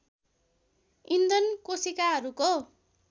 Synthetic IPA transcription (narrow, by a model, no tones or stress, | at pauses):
ind̪ʌnkosikaɦʌɾuko